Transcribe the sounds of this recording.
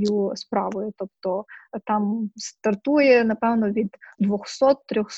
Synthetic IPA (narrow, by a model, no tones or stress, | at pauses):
juspɾɑʋɔjʊt̪ɔp̚t̪ɔt̪ɑmst̪ɐrt̪ujɛnɐpɛwnɔʋʲid̪ːd̪ʋɔxsɔt̪ːɾʲɔxs